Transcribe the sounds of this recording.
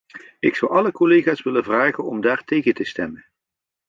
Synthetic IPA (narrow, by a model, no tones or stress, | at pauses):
ɪksʌwɑləkolejχaːsʋɪləvraːχənɔmdaːɹtejχətəstɛmən